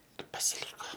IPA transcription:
ɪr pɐsʲɪˈlʲiːkoː

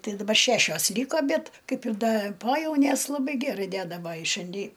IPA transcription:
ˈtɐɪ dɐˈbɐr ˈʃʲæʃʲoːs ˈlʲiːkoː ˈbʲɛt ˈkɐɪp ɪr ˈdɐ ˈpoːjɛʊnʲeːs lˠɐˈbɐɪ ˈɡʲærɐɪ ˈdʲæːdɐ ˈʋɐɪ ɪ ʃʲɛnʲˈdʲɪ

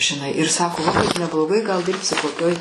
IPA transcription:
ʒʲɪˈnɐɪ ɪr ˈsɑːkoː lˠɐˈbɐɪ nʲɛblˠoːˈɡɐɪ ɡɐlˠ ˈdʲɪrʲpʲsʲɪ koːˈkʲoːj

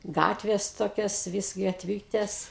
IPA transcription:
ˈɡɑːtʲʋʲeːs ˈtoːkʲoːs ʋʲɪs ɡɐtʲˈʋʲiːtʲeːs

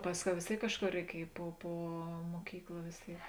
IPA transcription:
ˈpɑːsʲˌkʲɛʊ ʋʲeːs ˈtʲeːɪk ˈkɑːʃˌkoːr rʲɛɪˈkʲiɛj poː ˈpoː muɔˈkʲiːklˠɐ ʋʲeːs ˈtʲeːɪk

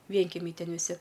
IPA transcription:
ˈʋʲiɛŋʲkʲɛmʲɛɪ ˈtʲɛn ʋʲɪˈsʲɪ

